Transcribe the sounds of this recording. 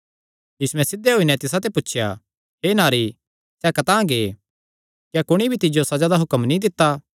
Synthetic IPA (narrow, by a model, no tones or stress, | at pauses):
jiːsuɛ̃sɪd̪eɦoːinɛt̪ɪsat̪epʊːt͡ʃʰja̰ | ɦeːnaːɾi | sɛkɐt̪ãːɡeː | kjakʊɽ̃ibʱit̪ɪd͡ʒjosɐd͡ʒaːd̪aɦʊkəmnĩd̪ɪt̪ːa